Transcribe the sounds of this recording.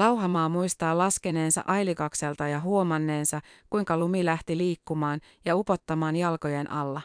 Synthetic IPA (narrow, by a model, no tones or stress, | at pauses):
lɑwɦɑmɑːmuist̪ɑːlɑskene̞ːnsɑ̰ʔɑjlikɑkse̞lt̪ɑjɑɦuo̞mɑnːe̞ːnsɑkːujŋkɑlumilæht̪iliːkːumɑːn | jɑupo̞t̪ːɑmɑːnjɑlko̞jenʔɑlːɑ